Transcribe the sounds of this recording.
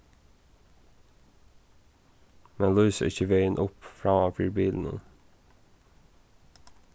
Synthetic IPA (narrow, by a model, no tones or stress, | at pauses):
mɛnlœːsə̰ɾɪçəʋeɪənʔʊpfɹɑːɑːfyːɾbiːln̩ə̰n